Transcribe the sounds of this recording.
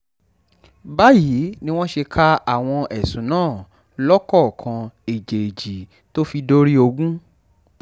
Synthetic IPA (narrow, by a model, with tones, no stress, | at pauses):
ba˦ji˨˦nĩ˦w̃ɔ̃˦ʃe˧kʰa˦a˨w̃ɔ̃˧ʔɛ˨sũ˨˦nãː˦˨ | lɔ˦kɔ˦˨kʰã˧e˨d͡ʒe˨e˨d͡ʒi˨ | to˦fi˧do˦ɾi˦o˧ɡũ˦